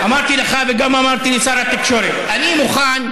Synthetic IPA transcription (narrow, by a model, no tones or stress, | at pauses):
amaʁt̪ileχaveɡamamaʁt̪ilisaɾat̪ikʃo̞ɾet̪animuχan